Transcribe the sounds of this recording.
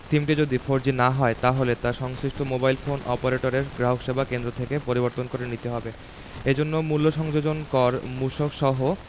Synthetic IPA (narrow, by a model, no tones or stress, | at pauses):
simʈid͡ʑod̪ifʰoɾd͡ʑinaɦɔet̪aɦolet̪aʃɔŋsɾiʃʈʰomobajlfonɔ̰poɾeʈoɾeɾɡɾaɦokʃebʱakend̪ɾot̪ʰekepoɾiboɾt̪onkoɾenit̪eɦɔbe | ed͡ʑonːomulːoʃɔŋd͡ʑod͡ʑonkɔɾmuʃokʃɔɦo